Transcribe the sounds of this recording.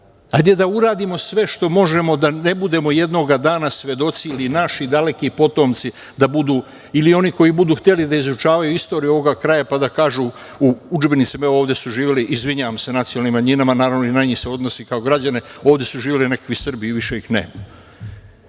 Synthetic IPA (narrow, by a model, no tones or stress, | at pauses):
hajd̪e̞d̪auɾaːd̪imo̞sʋe̞ʃt̪o̞mo̞ʒe̞mo̞d̪ane̞bud̪e̞mo̞je̞d̪no̞ɡad̪aːnasʋje̞d̪o̞t̪siilinaʃid̪ale̞kipo̞t̪o̞mt̪si | d̪abud̪uː | ilio̞niko̞jibud̪uːxt̪e̞lid̪aizut͡ʃaːʋajuist̪o̞ɾijuo̞o̞ɡakɾajapad̪akaːʒu | uud͡ʒbe̞nit̪simeooːʋd̪je̞suʒiːʋiliʔizʋiɲaːʋamse̞nat̪sijolnimːaɲinamanaːɾavʋnoinajɲiseo̞d̪no̞sikao̞ɡɾad͡ʑane̞oːʋd̪jesuʒiːʋeline̞kḁkʋisr̩biiʋiʃeixnḛːma